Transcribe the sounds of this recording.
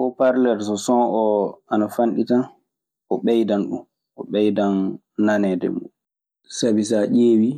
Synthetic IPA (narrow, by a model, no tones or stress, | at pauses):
ʔɔpaɾlɛɾs̬ɔsɔnʔɔanafanɗita | ʔɔɓɛjdanɗṵm | ʔɔɓɛjdanː | anɛdɛ̰mṵ | sabis̬aʔeːwi